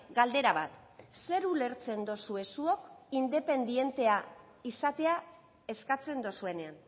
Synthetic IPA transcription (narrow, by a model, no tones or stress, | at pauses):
ɡald̪e̞ɾaβat̪se̞ɾule̞ɾt͡se̞nd̪osue̞suo̞kind̪e̞pe̞nd̪ie̞nt̪e̞a | isat̪e̞a | e̞skat͡se̞nd̪osue̞ne̞an